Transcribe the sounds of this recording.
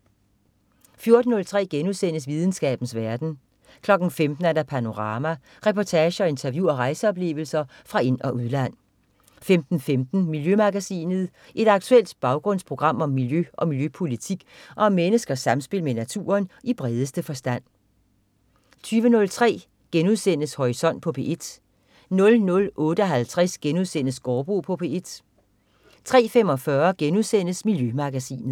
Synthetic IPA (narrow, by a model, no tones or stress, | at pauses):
fjo̝ɐd̥n̩nːɔ̽lt͡sʰʁɛ̰ːɡ̥enusen̰əsʋið̞ˠn̩sɡ̥ɛ̰ːb̥n̩sʋæɐd̥n̩ | kʰlɒ̽ɡ̥n̩femd̥n̩æɐɾɑ̈pʰæno̝ʁɑ̈ːmæ | ʁɛpʰɒt͡sʰɛːɕəɒ̽e̝nt͡sʰæɐʋjuɒ̽ʁɑ̈ɪsəɒ̽b̥le̝̰ːʊl̩sɐ | fʁɑ̈e̝nɒ̽ʔuð̞ˠlæn̰ | femd̥n̩femd̥n̩miljømɑ̈ɡ̥æsḭːnəð̞̩ˠ | ʔe̝d̥ɑ̈ɡ̥̚t͡sʰuel̰d̥b̥ɑ̈ʊɡ̥ʁɔ̽n̰spʰʁo̝ɡ̥ʁɑ̈m̰ɒ̽mːiljøʔɒ̽miljøpʰo̝lit͡sʰiɡ̥ʔɒ̽mːenəsɡ̥ɐsɑ̈msb̥e̝lmenæt͡sʰṵːɐnib̥ʁɛð̞ˠəsd̥əfɒ̽sd̥æn̰ | t͡sʰyːʋənɔ̽lt͡sʰʁɛ̰ː | ɡ̥enuðˠsen̰əshɒisɒ̽n̰d̥̚pʰɒ̽pʰe̝ʔe̝d̥ | nɔ̽lnɔ̽lʔɔ̽ːɾ̥əɒ̽ɦælt͡sʰʁɛsɡ̥enuðˠsen̰əsɡ̥ɒːb̥ʁupʰɒ̽pʰe̝e̝d̥ | t͡sʰʁɛ̰ːfem̰ɒ̽fɶːɐɡ̥enuðˠsen̰əsmiljømɑ̈ɡ̥æsḭːnð̩ˠ